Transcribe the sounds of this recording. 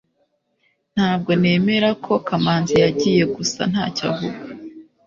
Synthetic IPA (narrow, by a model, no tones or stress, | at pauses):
n̥haːb̚ɡo̞ne̞ːme̞ɾakʰo̞kamaːnzijaɟiːje̞ɡusa̰n̥ha̰ːcavuɾ